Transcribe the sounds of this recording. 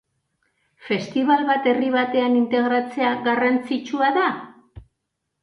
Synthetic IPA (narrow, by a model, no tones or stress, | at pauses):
fe̞st̪iβalβat̪e̞riβat̪e̞anint̪e̞ɣɾat͡se̞aɣarant͡sit͡ʃuaða